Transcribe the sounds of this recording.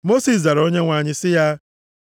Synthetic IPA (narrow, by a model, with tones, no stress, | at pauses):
mo˦si˨s̬da˨ɾo˦ɲe˦ŋʷa˨ɲɪ˦sɪ˦ja˦